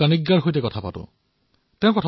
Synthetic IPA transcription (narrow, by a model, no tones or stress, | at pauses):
aniɡːaɹɦojtɛkɔtʰapa̰tʊ̰ | tɛ̃ʊ̃kɔtʰa